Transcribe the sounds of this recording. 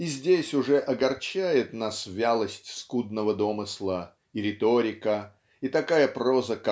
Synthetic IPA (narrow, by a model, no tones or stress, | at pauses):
izʲdʲesʲʊʐɛʔɐɡɐrt͡ɕæjɪt̪nasvʲalˠəsʲtʲskud̪̚nəvəd̪o̞mɨslˠə | iɾʲɪt̪oɾʲɪkə | it̪ɐkajəprozək